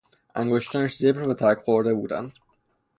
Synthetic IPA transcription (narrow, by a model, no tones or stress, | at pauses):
ʔæ̰ŋɡoʃt̪ʰɒːnæʃzebɾbet̪ʰæɾkʰxoɾd̪e̞buːd̪æ̰nd̪